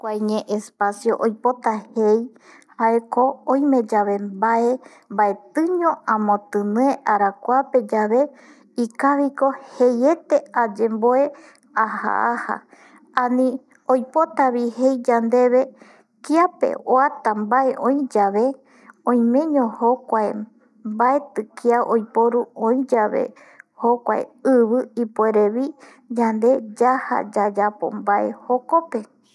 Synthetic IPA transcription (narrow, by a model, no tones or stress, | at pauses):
kʷajɲẽʔespasjo̞ʔojpot̪ahej | haeko̞õj̃mẽ̞d͡ʒaβe̞mbae̞ | mbae̞t̪ɨ̃ɲõʔãmõt̪ɨnɨeʔaɾakʷape̞d͡ʒaβe̞ | ikaβiko̞heje̞t̪e̞ad͡ʒe̞mboe̞ | aha̰ʔaha̰ | anĩ | ojpo̞t̪aβihe̞jd͡ʒand̪e̞βe̞ | kiapḛoat̪ambaʔeʔõj̃d͡ʒaβe̞ | õj̃mẽ̞ɲõhokʷae | mbaet̪ɨkiaʔojpoɾuõj̃d͡ʒaβe̞̰ | hokʷa̰ḛɨβɨipoeɾeβi | d͡ʒand̪e̞d͡ʒaha̰d͡ʒad͡ʒapo̞̰mbae̞̰ho̞kope̞